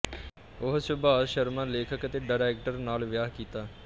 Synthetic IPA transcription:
ʊɦt͡ʃəbaːʃəɾmãːleːkʰəkət̪eːɖaːɾɛːk̚ʈəɾnaːlʋjaːɦkiːt̪aː

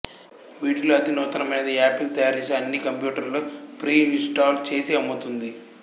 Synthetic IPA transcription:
ʋiːʈluɐt̪inɔːt̪ɐɾɐmɐjnɐd̪iaːpilt̪ɐjaːɾiɲt͡ʃiɐnːikɐmpjuːʈɐɾlupɾiːinsʈaːlt͡ʃe̞ːsiɐmːut̪und̪i

